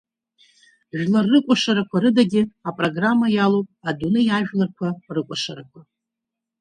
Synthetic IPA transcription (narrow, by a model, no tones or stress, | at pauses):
ʒᶣlarːɨkʷʼaʂaɾakʷʰaɾɨdaɡʲɪapʼroɡramːajalopʼadunɨjaʒᶣlarkʷʰarɨkʷʼaʂaɾakʷʰa